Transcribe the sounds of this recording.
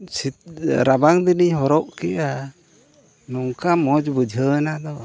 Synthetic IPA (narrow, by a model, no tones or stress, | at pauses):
siɾabaŋd̪iniɲɦɔɾɔʔkiʔa | nɔŋkamɔd͡ʒbəd͡ʒʱənad̪ɔ